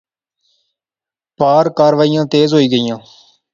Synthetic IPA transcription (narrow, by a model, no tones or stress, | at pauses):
paːɾkaːɾʋaːijãːt̪eːzɦoːiːɡəijãː